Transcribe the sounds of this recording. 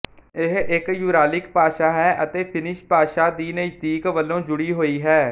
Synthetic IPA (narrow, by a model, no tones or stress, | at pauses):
ɪɦɪkjʊːɾaːlɪkpaːʃaːɦɛːʔət̪eːpʰɪnɪʃpaːʃaːd̪iːnət̪iːkʋəlːõːd͡ʒʊɽiːɦoːiːɦɛː